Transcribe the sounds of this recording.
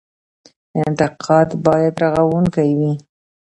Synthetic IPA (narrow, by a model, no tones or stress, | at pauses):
ɪnt̪ɪqʰɑd̪bɑjad̪ɾaɣawuŋkajwi